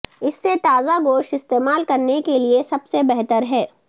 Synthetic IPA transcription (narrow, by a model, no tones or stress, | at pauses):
ɪsːet̪aːzaɡoːʃɪst̪eːmaːlkɐɾnekeliesɐbsebɛɦt̪əɾɦɛː